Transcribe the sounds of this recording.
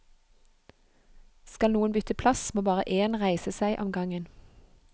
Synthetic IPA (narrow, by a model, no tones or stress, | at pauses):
skɑlnuːənbʏt̪əpʰlɑsmoːbɑːʁə̰ʔeːnʁæɪsəsæɪʔɔmɡɑŋən